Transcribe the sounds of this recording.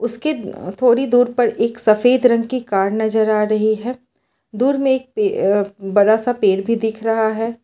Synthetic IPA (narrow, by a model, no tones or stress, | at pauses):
ʊsket̪ʰoːɽid̪uːɾpɐɾeːksɐfeːd̪ɾɐ̃ŋɡ̚kikaːɾnɐzəɾaːɾɐɦiɦɛː | d̪uːɾmẽeːk̚pebɐɽasapeːɽbʱid̪ɪkʰɾɐɦaɦɛː